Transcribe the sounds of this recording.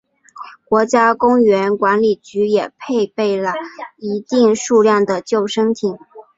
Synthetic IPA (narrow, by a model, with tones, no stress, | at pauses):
kwɔ˧˥t͡ɕja˥kʊ˥ŋɥɛ˧˥nkwa˧˥nli˨˩t͡ɕy˧˥jɛ˨˩pʰe˥˧ɪpe˥˩ɪlə˩i˧˥t̪i˥˧ŋʂu˥˧ljɑ˥˩ŋd̪ə˩t͡ɕjo˥˩ʊʂɤ˥ŋt̪ʰi˨˩˦